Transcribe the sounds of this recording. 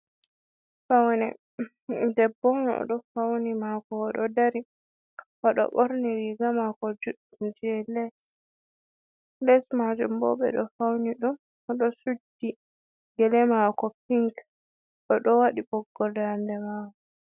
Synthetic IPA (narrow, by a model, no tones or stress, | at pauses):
fawnɛ̰ | dɛbːɔnɔ̰ɗɔfawnimakɔːɗɔdaɾi | ʔɔɗɔ̰ɓɔɾnɛɾiɡamakɔd͡ʒuɗːund͡ʒɛlɛs | lɛsmad͡ʒumbɔ̰ɓɛ̰ɗɔfawniɗun | ɔɗɔsudːi | ɡɛlɛmakɔpiŋk | ɗɔɗɔwaɗibɔɡːɔldandɛmaːwɔ